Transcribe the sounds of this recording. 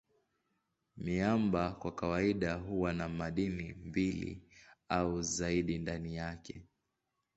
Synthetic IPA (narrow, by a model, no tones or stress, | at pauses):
miambakwakawaiɗaɦuwanamaɗinimbilḭauzaiɗindanijakɛ